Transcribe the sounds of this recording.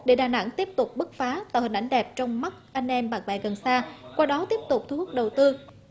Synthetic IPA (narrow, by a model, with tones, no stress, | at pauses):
ɗe˧˩ɗaː˨˩na̰˧˥ŋt̪i˦˥əp̚t̪ʊ˨˩k͡p̚ɓɨ˦˥k̚faː˨˦t̪a̰ː˧˩whï̟˨˩ʔa˧˩jŋ̟ɗɛ˨˩p̚t͡ɕɔ˧wŋ͡mma˦˥k̚ʔa˧jŋ̟ʔɛ˧mɓaː˨˩ŋɓa̰˧˩ɣə˨˩nsaː˧kwaː˧ɗɔ˨˦t̪i˦˥əp̚t̪ʊ˨˩k͡p̚t̪ʰu˧˩ə˦˥k̚ɗə˨˩wt̪ɨ˧